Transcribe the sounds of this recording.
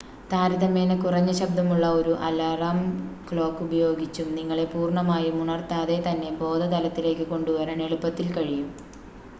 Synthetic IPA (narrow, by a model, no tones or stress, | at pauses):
t̪aːɾiðɐme̞ːnɨkurɐɲːɐɕɐb̚d̪ʱɐmuɭːɐo̞ɾuʔɐlaraːmkɭo̞ːkːubɐjo̞ːɡit͡ɕːumniŋːɐɭe̞puːrɳɐmaːjumuɳɐrt̪aːðe̞t̪ɐnːe̞bo̞ːd̪ʱɐd̪ɐlɐt̪ːile̞ːkːɨko̞ɳɖuʋɐɾɐne̞ɭupːɐt̪ːilkɐɻijum